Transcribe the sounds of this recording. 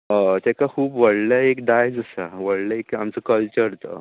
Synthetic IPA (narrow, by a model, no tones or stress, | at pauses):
ət̪ɛkakʰuːbʋəɽləekd̪ajd͡zəsaʋəɽləekamt͡səkəlt͡ɕəɾt̪ə̰